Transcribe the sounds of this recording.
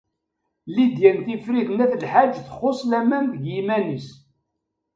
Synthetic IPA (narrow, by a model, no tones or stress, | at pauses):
lid̪jænθifɾiθnæθlħad͡ʒθə̥χosˤlæmænðəɡjimænis